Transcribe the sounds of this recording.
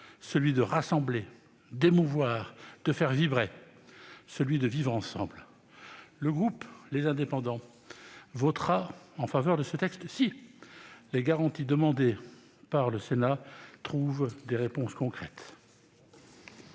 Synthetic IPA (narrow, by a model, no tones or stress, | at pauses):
səlɥid̪əʁasɑ̃ble | d̪emuvwaːʁd̪̥əfɛʁvibʁe | səlɥid̪əvivʁɑ̃sɑ̰̃bl | ləɡʁuplezɛ̃d̪epɑ̃d̪ɑ̃ | vɔt̪χaɑ̃favœʁd̪əsət̪ɛkst̪si | leɡaʁɑ̃t̪id̪əmɑ̃d̪e | paʁləsenat̪χuvd̪eʁepɔ̃skɔ̃kχɛt̪